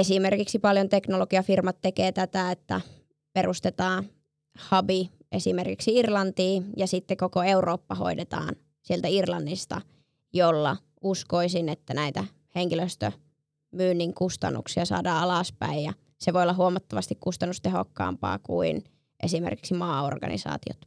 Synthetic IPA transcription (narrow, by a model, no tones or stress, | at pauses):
esimerkiksipɑljont̪eknoloɡ̥iɑfirmɑt̪ːekeːt̪æt̪æet̪ːæ̰ | perust̪et̪ɑːn | hɑbi | ʔesimerkiksiirlɑnt̪iːjɑsit̪ːekokoeuroːpːɑho̰idet̪ɑ̰ːn | sielt̪æirlɑnːist̪ɑ̰ | jolːɑ | uskoisinet̪ːænæit̪æ | heŋkiløst̪ø | myːnːiŋkust̪ɑ̰nːṵksiɑsɑ̰ːdɑːɑlɑˑspæ̰ijjɑ | seʋoiolːɑɦuomɑt̪ːɑʋɑst̪ikkust̪ɑnːust̪eɦokːɑ̰ːmpɑ̰ːkṵin | ʔesimḛrki̥ksimɑːo̰rɡ̥ɑ̰nḭsɑ̰ːt̪io̰t̪